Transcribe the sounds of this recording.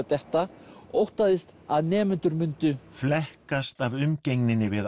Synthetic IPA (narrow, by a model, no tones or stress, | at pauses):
t̪ɛht̪aowht̪aðɪst̪aðnɛːmʏnt̪ʏɾmʏnt̪ʏflɛhkast̪avʏmcejŋnɪnːɪvɪð